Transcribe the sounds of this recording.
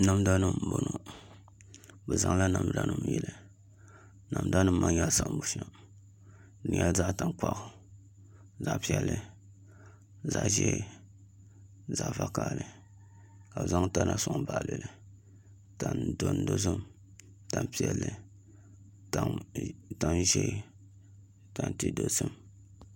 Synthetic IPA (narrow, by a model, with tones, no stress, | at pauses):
na˨m˦da˦nɨ˦m˨bo˦no˨ | bɛ˨za˨ŋ˦la˦na˨m˦da˦nɨ˦m˦jɛ˨lɨ˨ | na˨m˦da˦nɨ˦m˦ma˦ɲa˨sa˨ʔbu˦ʃa˨ | nɪ˨a˦za˦ʔta˨ŋk͡pa˦˨ʔʊ˨ | za˦ʔpi˦ɛ˦lːɨ˦ | za˨ʔʒɛ̰˦˨ | za˨ʔva˦ka˦˨lɨ˨ | ka˨bza˦ŋta˦na˦sʊ˨ŋ˦ba˨ʔlɨ˨lɨ˨ | ta˨ndo˦n˦do˦zɨ˦m | ta˨npi˦ɛ˦lːɨ˨ | ta˨ŋta˦nʒe˦ | ta˨nti˦do˨sɨ˦m